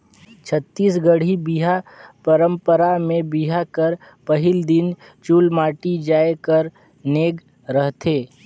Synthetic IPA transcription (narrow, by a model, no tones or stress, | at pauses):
t͡ʃʰət̪ːiːsɡəɽ̤ibiɦapəɾə̃mpəɾamẽbiɦakəɾ | pəɦɪld̪ɪn | t͡ʃuːlmaːʈid͡ʒaːekəɾ | neːɡ | ɾəɦt̪ʰeː